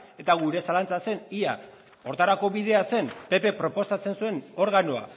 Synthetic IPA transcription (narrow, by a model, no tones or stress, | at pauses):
e̞t̪aɣuɾe̞salant͡sase̞nia | o̞ɾt̪aɾako̞βið̞e̞ase̞npe̞pe̞pɾo̞po̞sat͡se̞nsue̞no̞ɾɣano̞a̰